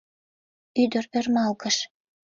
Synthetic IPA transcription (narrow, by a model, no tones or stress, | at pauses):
yd̪ərpørmɑlkəʃ